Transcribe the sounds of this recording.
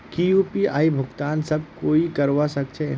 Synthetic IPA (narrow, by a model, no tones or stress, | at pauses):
kijupia̰ːibʱʊɡt̪aːnsɐb̚koːikɐɾwasɐk̚t͡ʃʰe